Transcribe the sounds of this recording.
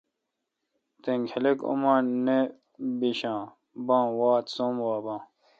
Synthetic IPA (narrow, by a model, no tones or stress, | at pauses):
t̪eŋɡheleko̰mãːne | biɕãː | bãːwaːt̪somwaːbãː